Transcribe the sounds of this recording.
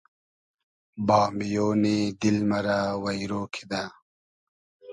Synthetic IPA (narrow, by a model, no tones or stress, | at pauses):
bɑːmijoːnid̪ilmɐɾawɐjɾoːkʰid̪a